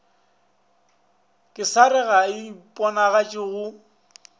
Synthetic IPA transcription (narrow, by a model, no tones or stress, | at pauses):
kʼɪsaɾɪɣaipʼɔnaɣat͡ʃʼɪɣʊ